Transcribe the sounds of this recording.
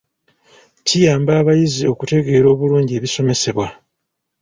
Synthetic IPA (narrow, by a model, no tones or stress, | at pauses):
cijaːmbaːβajizio̞kute̞ɡe̞ːɾo̞ːβuluːɲɟe̞ːβiso̞me̞se̞βwa